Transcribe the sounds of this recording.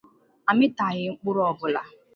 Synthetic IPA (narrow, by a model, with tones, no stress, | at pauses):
a˨mɪ˦ta˨ɣɪ˦ŋ͡m̩˦k͡pʊ˦ɾɔ˨bʊ˨la̰˨